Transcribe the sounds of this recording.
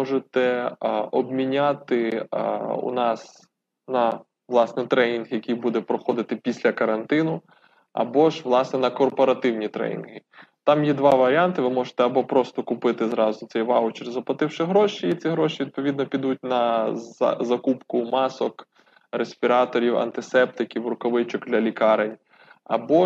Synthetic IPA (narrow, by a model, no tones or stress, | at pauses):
mɔʒɪt̪ɛɔbmʲinʲat̪ɪ | ṵnɑs | nɐ | ʋlˠɑsnɛt̪ɾɛnʲinɦjɐkʲijbud̪ɛpɾɔxɔd̪ɪt̪ɪpʲisʲlʲɐkɐɾɐnt̪ɪnʊ | ɐ̰bɔʒʋlˠɑsnɛnɐkɔrpɔɾɐt̪ɪwnʲit̪ɾɛ̰nʲḭnɦɪ | t̪ɑmjɛd̪ʋɑʋɐɾʲiɑnt̪ɪʋɪmɔʒe̥t̪ɛɐbɔpɾɔst̪ɔkʊpɪt̪ɪzɾɑzʊsɛjʋɑwʊt͡ʃiɾʲzɐplˠɐt̪ɪwʃɪɦɾɔʃiit̪t͡sʲiɦɾɔʃiʋʲid̪̚pɔʋʲid̪nɔpʲid̪ut̚ʲnɐ̰ | zɐkupkʊmɑsɔk | ɾesʲpʲiɾɑt̪ɔɾʲiwɐ̰nt̪ɪsɛp̚t̪ɪkʲiwrʊkɔʋɪt͡ʃɔkd̪lʲɐlʲikɑɾenʲ | ɐ̰bɔ